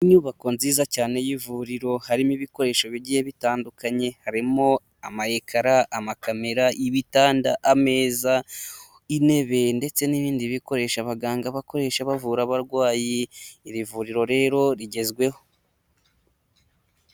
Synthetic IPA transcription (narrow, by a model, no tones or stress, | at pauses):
iɲuːβako̞nziːzacaːne̞jivuɾiɾo̞haɾimiβiko̞ɾe̞ːʃo̞βiɟihe̞βitaːndukaɲe̞haɾimo̞ | amahekʰaɾaʔamakame̞ɾaʔiβitaːndaʔame̞ːza | ine̞βe̞nde̞t͡se̞niβiːndiβiko̞ɾe̞ʃaβaɡaːŋɡaβako̞ɾe̞ːʃaβavuɾaβaɾɡwaːjiːβivuɾiɾo̞ɾe̞ːɾo̞ɾiɟe̞zɡwe̞ho̞